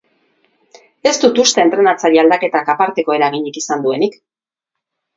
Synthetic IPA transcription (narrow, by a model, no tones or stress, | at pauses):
e̞st̪ut̪ust̪e̞ːnt̪ɾe̞nat͡saɾiald̪ake̞t̪akapaɾt̪e̞ko̞e̞ɾaɣ̞iɲikisand̪ue̞nik